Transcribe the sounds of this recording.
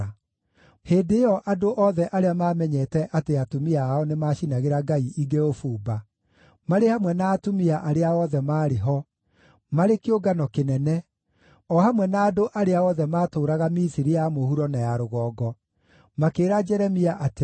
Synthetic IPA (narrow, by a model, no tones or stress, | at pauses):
heːdeɔʔadoʔɔðɛʔaɾeamaːmɛɲɛtɛʔateatomiaːɔnemaːʃinaɣeɾaɡaiʔiɡeofuːba | maɾehamwɛnaːtomiaʔaɾeaɔðɛmaːɾeɦɔ | maɾekeoɡanɔkenɛnɛ | ɔhamwɛnaːdoʔaɾeaɔðɛmaːtoːɾaɣamisiɾijamohuɾɔnajaɾoɣɔːɡɔ | makeːɾad͡ʒɛɾɛmiaʔate